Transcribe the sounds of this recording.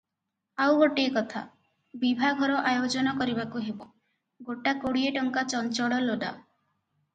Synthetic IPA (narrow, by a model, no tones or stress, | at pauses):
awɡoʈiekɔt̪ʰa̰ | bibʱaɡʱɔɾɔʔajod͡ʒɔnɔkɔɾibakuɦebo | ɡoʈakoɽieʈɔŋkat͡ʃɔnt͡ʃɔɽɔloɖa̰